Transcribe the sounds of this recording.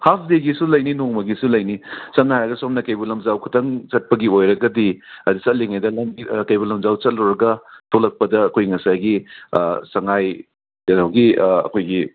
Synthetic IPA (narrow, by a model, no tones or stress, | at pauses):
hap̚ʰdeɡisulɐjninoŋmɐɡisulɐjnisɐmnɐhajɾɐɡɐsomnɐkɐjbulɐmd͡ʒawkʰu̥tɐŋt͡ʃɐt̚pɐɡiojɾɐɡɐdiɐdisɐt̚liŋajdɐlɐmɡikɐjbulɐmzawt͡ʃɐt̚lɐwɾɐɡɐtʰolɐk̚pɐdɐːkʰojŋɐsajɡi | sɐŋaj | nawɡiɐ̰kʰojɡi